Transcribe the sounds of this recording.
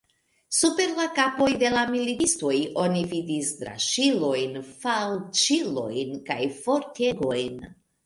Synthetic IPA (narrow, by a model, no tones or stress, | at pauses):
supe̞ɾlakapo̞jde̞lamiliisto̞jʔo̞nividisdɾa̰ʃilo̞jnfalt͡ʃilo̞̰jnkajfo̞ɾtʰe̞ɡo̞jn